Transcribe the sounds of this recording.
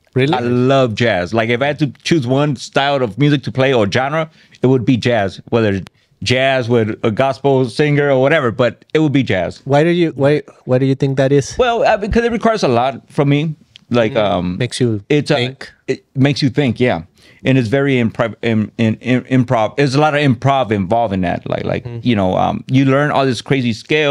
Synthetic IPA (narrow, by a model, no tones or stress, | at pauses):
ɹɪlaɪlʌvd͡ʒæzlaɪkɨfaɪhɨd̚tɨt͡ʃʰʉzwʌ̃nstaɪlˠʌvmjʉzɨk̚tʰɨpʰl̥eɪə˞d͡ʒɑ̃nə | ɨt̚wəd̚bid͡ʒæzwɛðə˞ | d͡ʒæzwɪðəɡɑspl̩ˠsɪ̃ŋɡə˞ə˞wʌɾɛvə˞bʌɾ | ɨt̚wəd̚bid͡ʒæ̰z̥waɪɾɨjɨwaɪwaɪɾɨjɨθɪ̃ŋk̚ðɨɾɪz̥wɛlˠʌbɨkʰʌzɨt̚ɹɨkʰw̥aɹə˞zəlɔt̚fɹʌ̃mi | laɪkʌ̃meɪksjɨɪtsŋmeɪksjɨθɪ̃ŋkjæ | ʔɨ̃nɨts̬vɛɹiɨ̃mpʰɹ̥ɑɪ̃ɪ̃ɪ̃mpʰɹ̥ɑvɪzəlɔɾʌvɨ̃mpʰɹ̥ɑvɨ̃ɱvɑlˠvɨ̃nðæ̰t̚la̰ɪkla̰ɪkjɨñoʊʌ̰̃mjɨlɜ̃˞nɔ̰lˠðɪskʰɹ̥eɪziskɪɪ